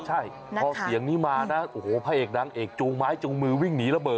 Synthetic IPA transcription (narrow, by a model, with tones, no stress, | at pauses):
t͡ɕʰa˥˩jʰ | ɔː˧si˨˩˦əŋniː˦˥maː˧na˦˥ʔo˨˩hoː˨˩pʰaː˧ʔeː˨˩k̚naː˧ŋʔeː˨˩k̚t͡ɕuː˧ŋmaː˦˥jt͡ɕu˧ŋmɯː˧wi˥˩ŋniː˦˥ɾa˧bɤː˨˩